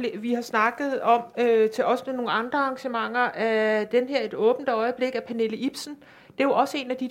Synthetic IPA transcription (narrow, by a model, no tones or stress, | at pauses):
ʋihɑ̈snɑ̈ɡ̥ð̞̩ˠɒ̽møt͡sʰe̝lʔɒ̽smeno̝ːn̩ɑ̈nd̥ʁɐɑ̈ŋɕəmɑ̈ŋ̰ɐʔæd̥enɦeɐ̰e̝d̥ɔ̽ːb̥n̩d̥ɒ̽ɪəb̥le̝ɡ̥æpʰæne̝ləib̥sn̩ | d̥e̝joɒ̽səe̝ːnæd̥i